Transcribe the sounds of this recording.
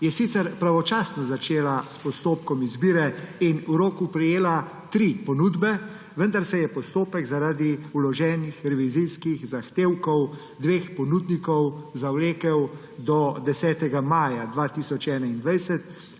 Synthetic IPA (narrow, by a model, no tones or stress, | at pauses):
jɛsit̪sɛɾpɾaʋɔt͡ʃaːsnɔzat͡ʃeːlaspɔst̪oːpkɔmizbiːɾɛinuɾoːkupɾɛjeːlat̪ɾipɔnuːd̪bɛ | ʋənd̪aɾsɛjɛpɔst̪oːpɛɡzaɾaːd̪iulɔʒɛːnixɾɛʋizijskixzaxt̪eːwkɔw | d̪ʋeːxpɔnud̪nikɔwzawleːkɛw | d̪ɔd̪ɛsɛːt̪ɛɡamaːjad̪ʋaːt̪iːsɔt͡ʃɛːnaind̪ʋajsɛt̪